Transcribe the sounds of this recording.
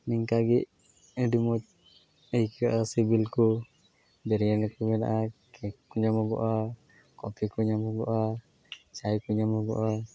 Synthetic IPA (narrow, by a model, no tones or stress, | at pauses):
niŋkaɡiʔ | ɛdumɔt̪̚ | ɛjkaʔasibilku | bɛɾijalɛkumɛna̰ʔakɛkuɲamɔɡɔ̰ʔa | kɔpʰikuɲamɔɡɔ̰ʔa | t͡ʃajkuɲamɔɡɔ̰ʔa